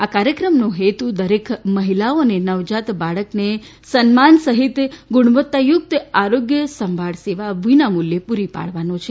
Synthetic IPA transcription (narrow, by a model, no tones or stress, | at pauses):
akaɾjəkɾəmnoɦet̪ud̪əɾekʰməɦilaonenəʋd͡ʒat̪baɭəkne | sənmansəɦit̪ɡʊɽ̃uʋət̪ːajʊk̚t̪aɾoɡjəsəmbʱaɽseʋaʋinamuljepuɾipa̰ɭ̤ʋanot͡ʃʰe